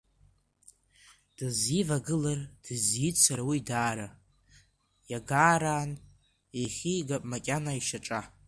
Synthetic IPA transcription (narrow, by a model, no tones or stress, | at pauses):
d̥ɨzivaɡɨlard̥ɨzjit͡sʷʰaɾawidaːɾa | jaɡaːɾaːn | aχʲijɡapʼmakʲʼanaiʃaʈ͡ʂʼa